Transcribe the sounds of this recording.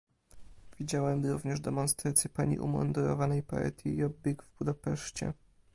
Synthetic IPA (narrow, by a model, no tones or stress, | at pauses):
vʲid͡ʑawɛmɾuvɲɛʐd̪ɛmɔnst̪ɾat̪sʲjɛpaɲḭʔṵmɔ̰nd̪uɾɔ̰vanɛjpa̰ɛ̰t̪ʲjiɔbbʲɛɡvbud̪apɛʂt͡ɕɛ̰